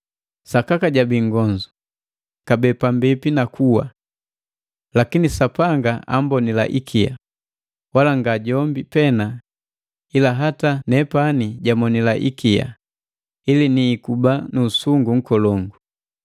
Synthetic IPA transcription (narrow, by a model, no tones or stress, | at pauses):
sakakaɟabiŋɡɔɲd͡ʒu | kabɛpambipinakʰuwa̰ | lakinisapaŋɡaa̰mbɔnila̰ʔikʰija̰ | walaŋɡaɟɔmbipɛna | ilaɦatanɛpaniɟamɔnilaʔḭkija̰ | iliniːkubanuːsuŋɡuŋ̩kɔlɔŋɡu